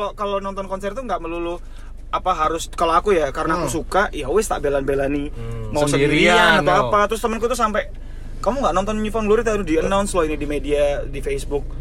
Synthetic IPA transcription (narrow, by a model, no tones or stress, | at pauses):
lokalonɔnt̪ɔnkɔnsɛrt̪uŋɡaʔməlulʊ | apaɦaɾʊskaloakujakaɾənaːkusukaʔijaowɪst̪a̰ʔbelanbelanimausəɡɾianat̪awapat̪əɾʊst̪əmənk̬ut̪usampɛ | kamuŋɡaʔnɔnt̪ɔnɲifɔnɡluɾit̪anudiənawnsloinidimediadifesbʊk̚